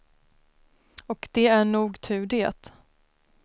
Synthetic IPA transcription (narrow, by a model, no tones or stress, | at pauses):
ɔkd̪̥ɛæɳuːɡt̪ʰʉ̟ːɖeːt̪